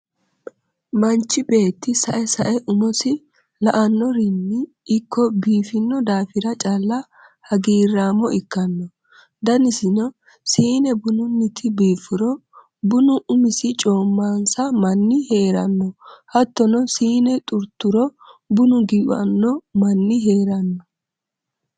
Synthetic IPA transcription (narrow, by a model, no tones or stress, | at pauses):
mɐnt͡ʃːɪbe̞ːt̪ːɪsɐʔɛsɐʔɛʔʊmɔsɪ | lɐʔɐnːɔɾɪnːɪ | ʔːkːɔbiːfɪnːɔd̪aːfɪɾɐt͡ʃʼalːɐ | hɐɡiːrːaːmɔɪkːɐnːɔ | d̪ɐnɪsɪnɔ | siːnɛbʊnʊnːɪt̪ʰɪbiːfɪɾɔ | bʊnʊʔʊmɪsɪt͡ʃʼo̞ːmːaːnsɐmɐnːɪhe̞ːɾɐnːɔhɐt̪ːɔnɔsiːnɛt̪ʼʊɾt̪ːʊɾɔbʊnʊɡiɐ̰nːɔmɐnːɪɦe̞ːɾɐnːɔ